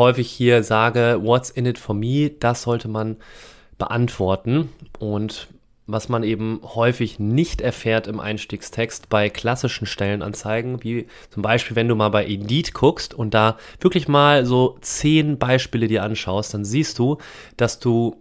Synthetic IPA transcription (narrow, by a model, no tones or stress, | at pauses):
hɔʏfɪçhiːɐzaːɡəvɔt͡sɪnɪtfɔmiːɐd̥asz̥ɔltʰəman | b̥ə̰ʔantv̥ɔɐtn̩ʔʊnt | vasmanʔeːbm̩hɔʏfɪçnɪçtʔɛɐfɛːɐtɪmʔa̰ɪnʃtiːkstʰɛkstb̥aɪkʰl̥asɪʃn̩ʃtɛlənʔa̰nt͡saɪɡŋ̩viː | t͡sʊmbaɪʃpiːlvɛnduːmaːlbaɪʔɪdiːtkʰʊkstʊnt̚d̥aːv̥ɪɐklɪçmaːlzoːt͡seːnbaɪʃpiːlədiːɐʔanʃaʊəst̚d̥anziːst̚d̥uː | d̥asd̥uː